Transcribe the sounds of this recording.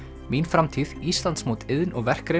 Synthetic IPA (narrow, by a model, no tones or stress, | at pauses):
minfɾamt̪ʰiːðist̪lant̪smoːwt̪ɪðnɔɣvɛr̥kɾe